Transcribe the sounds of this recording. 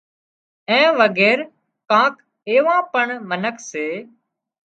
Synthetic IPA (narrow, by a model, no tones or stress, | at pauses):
ɛ̃ːʋəɡɛːɾ | kãːk | eːʋãːpəɳmənəkʰseː